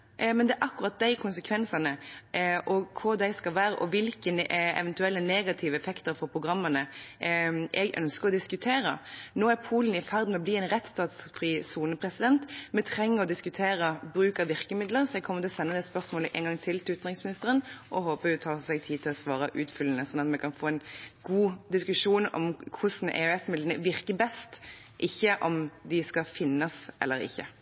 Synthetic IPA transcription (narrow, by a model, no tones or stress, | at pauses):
mɛnd̪ɛʔɑkːʊʁɑt̪̚d̪æɪkʰʊnsəkʰʋɛnsɑnəʔɔkʰʊd̪æɪskɑlʋæːɾəʔɔʋɪlkənɛ̰ʋɛnt̪ʉɛlːəneːɡɑt̪ʰɪʋəɛfɛkt̪əɾfɔɾpʰʁʊɡʁɑmːənə | ʔɛɡʔœ̰nskəɾɔd̪ɪskʉt̪ʰeːɾə̰noːæɾpʰuːlənɪfæʁd̪nmɛɔbliːɛnɾɛt̪st̪ɑːt̪sfʁiːsuːnəpʰʁɛsɪd̪ɛnt̪mɛt̪ʰʁɛŋːəɾɔd̪ɪskʉt̪ʰeːɾəbɾʉːkɑʋɪɾkəmɪd̪ləɾsɔɛɡ̚kʰɔmːət̪ɪlɔsɛnːəd̪ɛːspœʁsmoːləʔɛnɡɑŋt̪ʰɪlt̪ʰɪlʉːt̪nʁɪŋsmɪnɪst̪əʁənʔɔɦoːpəjʊt̪ʰɑːsɛɡ̚t̪ʰiːt̪ʰɪlɔsʋɑːɾəʔʉːt̪fʏlənəsɔnːɑt̪mɛkʰɑnfoːɛnɡuːd̪ɪskʉʂuːnɔ̰mkʰʊsn̩ʔɛ̰ːɛt̪mɪd̪ənəʋɪɾkəbɛst̪ | ʔɪçːəʔɔmd̪ɪskɑfɪnːɑsʔɛ̰lːəɾɪ̰çːə